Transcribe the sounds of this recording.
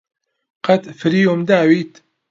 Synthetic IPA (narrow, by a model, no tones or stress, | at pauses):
qat̪fɾiːʊmd̪aːwit̪